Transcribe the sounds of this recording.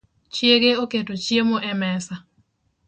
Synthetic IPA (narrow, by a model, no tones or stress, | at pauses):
t͡ʃjeɡeoketot͡ʃjemoʔɛmɛsa